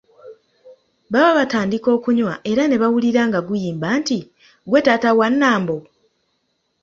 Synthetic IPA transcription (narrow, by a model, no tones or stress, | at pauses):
βaβaβataːndiko̞ːkuɲwaʔe̞ɾane̞βawuliɾaːŋɡaɡujiːmbanti | ɡwe̞tatawanːaːmbo̞